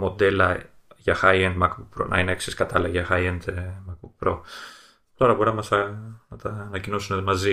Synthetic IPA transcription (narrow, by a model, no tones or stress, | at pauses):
mo̞d̪e̞lɐ | ʝɐxɐiend̪mɐkbuk̚pɾo̞̰nʔɐ̰ineksiskɐt̪ɐlɐʝɐxɐiend̪emɐk̚buk̚pɾo̞ | t̪o̞ɾɐboɾinɐmɐsɐnɐt̪ɐːnɐcino̞sunemɐzi